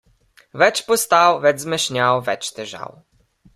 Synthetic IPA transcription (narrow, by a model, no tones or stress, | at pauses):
vɛt͡ʂpɔst̪awvɛd̪zmɘɕɲawvɛt͡ʂt̪ɘʐa̰w